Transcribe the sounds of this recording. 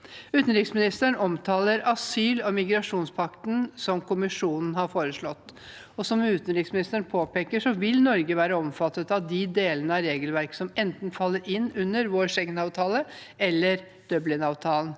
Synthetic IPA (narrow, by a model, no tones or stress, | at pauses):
ʉːt̪ənɾɪksmɪnɪst̪əɳɔmt̪ʰɑːləɾʔɑsyːlɔmɪɡɾɑʂuːnspʰɑkt̪nsɔmkʊmɪʂuːnn̩hɑɾfoːɾəʂɭɔt̪ː | ɔsɔmʉːt̪nɾɪksmɪnɪst̪əɳpʰoːpeːkəʂɔʋɪlnɔɾɡəʋæːɾəɔmfɑt̪ːət̪ɑtd̪ɪd̪eːlənəɑɾeːɡəlʋæɾksɔmɛnt̪n̩fɑlːəɾɪnːʉnːəɾʋoːʂɛŋnɑːʋt̪ʰɑːlə | ɛlːəɾ | d̪̥œblɪnɑːʋt̪ʰɑːln̩